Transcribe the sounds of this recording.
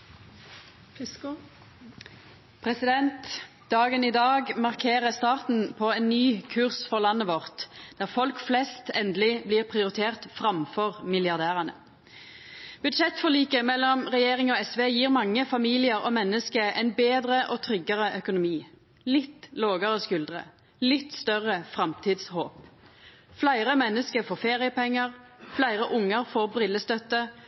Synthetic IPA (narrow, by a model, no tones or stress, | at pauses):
pʰʁɛsɪd̪ɛnt̪ | d̪ɑːɡəniːd̪ɑːɡmɑʁkʰeːʁəst̪ɑːʁt̪n̩pʰɔɛnnːyːkʰʉʁsfɔʁlɑnːəʋɔʁt̪d̪̥æːʁfɔlkflɛst̪ɛnd̪əlɪbliːʁpʰʁɪʊʁɪt̪ʰeːʁt̪fʁɑmfɔʁmɪljɑʁd̪æːʁɑnə̰ | b̥ʉd̪ʃɛt̪ːfɔʁliːkəmɛlːɔmʁɛjeːʁɪŋɔɛsʋeːjiːʁmɑŋːəfɑmiːlɪəʁɔ̰mɛnːəskəʔɛɪnbeːd̪ʁəʔoːt̪ʰʁʏɡəʁəʔœkʊnʊmiː | lɪt̪ːloːɡəʁəskʉld̪ʁə̰ | lɪt̪ːst̪œʁəfʁɑmt̪ʰiːd̪shoːp | flæɪʁəmɛnːəskəfɔfeːʁɪəpʰɛŋːəʁflæɪʁəʔʊŋəʁfɔʁbʁɪləst̪œt̪ːə